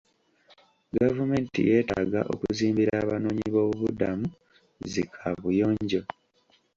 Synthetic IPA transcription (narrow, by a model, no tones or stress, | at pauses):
ɡavume̞ːntḭje̞ːtaːɡa̰ʔo̞̰kuziːmbiɾaːβano̞ːɲiβo̞ːβuβudamu | zikʰaβujo̞ːɲɟo̞